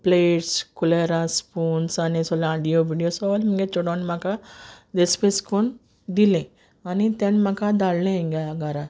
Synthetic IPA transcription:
pleːʈskuleɾaspuːnsanisɔlaɖijoʋiːɖijosɔːlmiŋɡet͡ʃoɽõnmakad̪espeskon | d̪ilẽ | anit̪enmakad̪allẽiŋɡeaɡaɾa

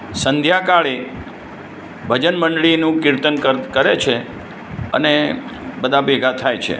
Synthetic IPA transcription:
sənd̪ʱjakaɭe | bʱəd͡ʒənməɳɖɭinũkɪɾt̪ənkəɾkəɾet͡ʃʰe | ə̰nebəd̪ʱabeɡʱat̪ʰajt͡ʃʰḛ

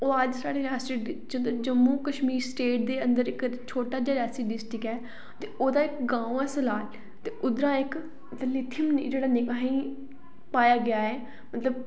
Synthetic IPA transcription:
oːəd͡ʒsaːɽeːɾaːsid͡ʒəd͡ʒəmːuːkəʃmiːɾsʈeːʈ̚d̪eːənd̪əɾɪkt͡ʃʰoːʈaːd͡ʒaːɾɛːsiːɖɪsʈɪkɛː | t̪eːoːd̪aːɪkɡãːũɛ̃ːsəlaːl | t̪eːʊd̪ɾãːɪk | t̪əlɪt̪ʰːimnid͡ʒeːɽaːnɪkaːɦĩː | paːjaːɡɪjaːɛː | mət̪ləb

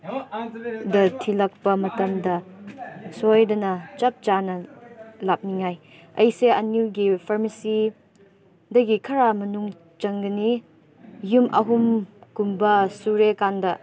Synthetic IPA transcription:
dɐtʰilɐk̚pɐmɐtɐmdɐ | sojdɐnɐt͡ʃɐp̚t͡ʃanɐlap̚niŋaj | ɐjseɐniwɡipʰɐɾmɐsi | dɐɡikʰɐɾamɐnuŋ | t͡ʃɐŋɡɐni | jumʔɐ̰ɦumkumbɐsuɾekandɐ

